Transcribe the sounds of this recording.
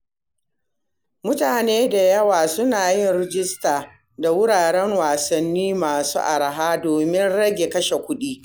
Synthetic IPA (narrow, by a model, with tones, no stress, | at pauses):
mʊ˦taː˨neː˦da˨jɐ˦waː˨sʊ˦naː˨jɪ˦˨nɾɪ˦d͡ʒɪ˦staː˨ | da˨wʊ˦ɽaː˨ɽɛ˦ŋwaː˨sɐ˨nːiː˦maː˨sṵː˦ʔa˨ɾa˨ɦaː˦doː˨mɪ˦nɽɐ˦ɡʲe˨kɐ˦ʃe˨kʷʊ˦ɗiː˦